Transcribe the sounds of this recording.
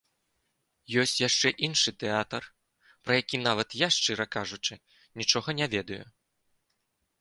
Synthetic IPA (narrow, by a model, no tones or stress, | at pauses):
jɔsʲt͡sʲjaʂt͡ʂɛʔinʂɨt̪ɛat̪ɐr | pɾɐjakʲinavɐt̪jaʂt͡ʂɨɾɐkaʐut͡ʂɨ | nʲit͡ʂɔɣɐnʲavʲɛd̪ɐjṵ